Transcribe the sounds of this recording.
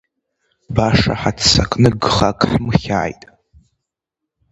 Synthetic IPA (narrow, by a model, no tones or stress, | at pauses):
baʂa̰ħatʰt͡sakʼnɨɡχakʼħmχʲa̰jtʼ